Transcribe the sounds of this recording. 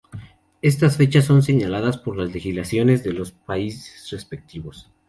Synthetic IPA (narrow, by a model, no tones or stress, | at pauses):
e̞s̬t̪asfe̞t͡ʃasːo̞ns̬e̞ɲalaðaspo̞ɾlazle̞xizlasjo̞ne̞zðe̞lo̞spaise̥sre̞spe̞k̚t̪iβo̞s